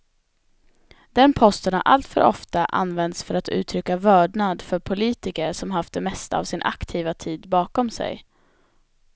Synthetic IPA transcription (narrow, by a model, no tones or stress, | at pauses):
d̪̥ɛnpʰɔst̪ənha̰ɾʔa̰lt̪fœ̰ɾʔɔ̰ft̪aʔa̰nvɛnd̪sfœɾat̪ʉ̟ːt̪ʰɾʏkːavœːɖɳad̪fœɾpʰʊliːt̪ɪkəɾʂɔmɦaft̪̚d̪ɛmɛst̪a̰ːvsɪnʔa̰kt̪ʰiːvat̪ʰiːd̪bɑːkɔmsɛ̰j